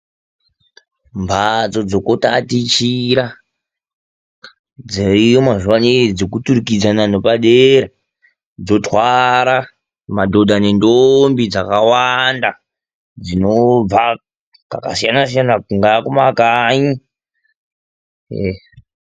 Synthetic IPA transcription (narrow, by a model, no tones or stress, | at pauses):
mbʱad͡zo̞d͡zo̞kotatit͡ʃiɾa | d͡zeijomaʐwaned͡zokutuɾikid͡zananopaɗeɾa | d͡zo̞twaɾa | madʱo̞dʱane̞ndombid͡zakawanda | d͡zinob͡va | ka̰ka̰sijanasijanakuŋɡakumakaɲi